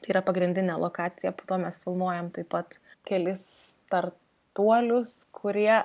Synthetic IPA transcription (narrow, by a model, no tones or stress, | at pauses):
t̪ɐɪiːɾɐpɐɡɾʲɪnʲd̪ʲɪnʲelˠoːkɑːt͡s̪sʲɪjɛpoːt̪oːmʲɛsfʲɪlˠmuɔjɛmt̪ɐɪpɐt̪ | kʲɛlʲɪst̪ɐr | t̪uɔlʲʊskʰʊɾʲiɛ